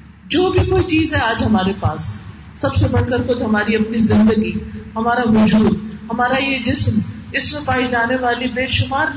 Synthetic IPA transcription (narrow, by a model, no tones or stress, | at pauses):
d͡ʒoːbʱikoːit͡ʃiːzɦɛaːd͡ʒɦɐmaːɾepaːsː | ɐbsebɐɽkəɾkot̪oɦɐmaːɾiɐpnizɪ̃nd̪əɡiɦɐmaːɾaʋʊd͡ʒuːd̪̚ɦɐmaːɾajed͡ʒɪsm | ɪsmẽpaːid͡ʒaːneʋaːlibeːʃʊmaːɾn